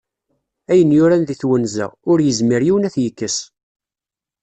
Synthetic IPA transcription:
æjənjʊɾænðiθwənzæ̰ʊɾjəzmiɾjiwnæθjəkːəs

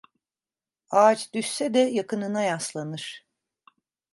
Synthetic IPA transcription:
aːt͡ʃd̪ysːɛd̪ɛjakʰɯnɯnajaslˠanɯɾ̥

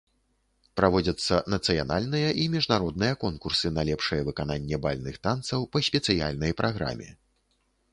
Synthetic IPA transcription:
pɾavɔd͡zʲɐt̪sːɐnɐt̪sɨja̰nalʲnɨjɐʔimʲiʐnaɾɔd̪nɨjɐkɔnkursɨnɐlʲɛpʂɨjɛvɨkananʲːɛbalʲnɨxt̪ant̪sɐwpɐsʲpʲɛt̪sɨja̰lʲnɐjpɾʔaɣɾa̰mʲɛ̰

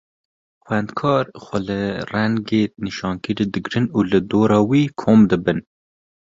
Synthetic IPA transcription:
xʷɛnd̪kʰɑːɾxʷɛlɨrɛŋɡeːniʃɑːnkɨɾiːd̪ɨɡɾɨnuːlɨd̪oːɾɑːwiːkʰoːmd̪ɨbɨn

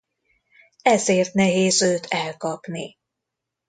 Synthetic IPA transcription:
ɛzeːrt̪nɛɦeːzøːt̪ʰɛlkɒpni

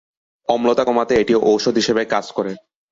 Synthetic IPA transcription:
ɔmlot̪akɔmat̪eeʈioʔowʃod̪ʱɦiʃebekad͡zkoɾe

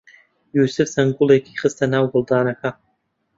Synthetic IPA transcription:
jusɨfsaŋɡulˠejkʲʰiχəstʰanawɡʊlˠdaːnaxa

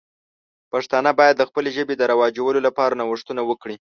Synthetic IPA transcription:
paʂt̪ɑnabɑjad̪ːəxpəleʒəbed̪əɾawɑd͡ʒawəlolapɑɾanawəʂt̪unawəkɽi

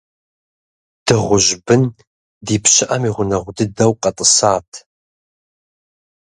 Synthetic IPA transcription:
d̥ɨʁʷʊʑbɨn | diːpɕɪʔɐmiːʁʷʊnɐʁʷʊdɨdɐwqʼɐtʼəsaːtʰ

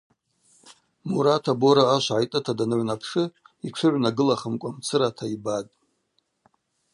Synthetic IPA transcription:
muɾatʰaboɾaːʃʷʕajtʼɨtʰadanɨʕʷnapʰʂɨit͡ʃʷʰʊʕʷnaɡɨlaχəmkʷʼamt͡sʰɨɾatʰaibatʼ

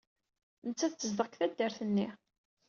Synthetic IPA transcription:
nət͡sːæθəzðˤəkθæd̪ːəɾθənːi

